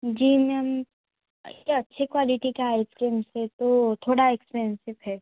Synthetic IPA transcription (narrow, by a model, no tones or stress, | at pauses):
d͡ʒiːmɛm | ɐtːʃʰekwaːlɪʈikeaɪpkẽːmset̪ot̪ʰoːɽaɛkspɛnsɪʋɦɛː